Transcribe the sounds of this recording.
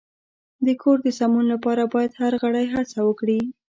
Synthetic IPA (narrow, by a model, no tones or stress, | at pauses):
d̪əkʰoɾd̪əsamunlapɑɾabɑjad̪haɾɣaɽajɦat͡sawəkɽi